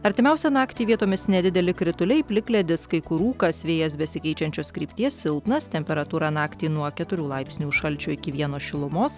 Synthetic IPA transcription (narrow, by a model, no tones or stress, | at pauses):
ɐɾʲt̪ʲɪmʲɛʊsʲɛnɑːkt̪ʲiːʋʲiɛt̪oːmʲɪsnʲɛd̪ʲɪd̪ʲɛlʲɪkɾʲɪt̪ʊlʲɛɪpʲlʲɪklʲɛd̪ʲɪskɐɪkʊɾuːkɐsʋʲeːjɛsbʲɛsʲɪkʲɛɪt͡ʃʲɛnʲt͡ʃʲoːskɾʲiːpʲt̪ʲiɛssʲɪlˠp̪nɐst̪ʲɛmʲpʲɛɾɐt̪uːɾɑnɑːkt̪ʲiːnuɔkʲɛt̪ʊɾʲuːlˠɐɪpʲsʲnʲuːʃʃɐlʲt͡ʃʲoːɪkʲɪʋʲiɛnoːsʃʲɪlˠʊmoːs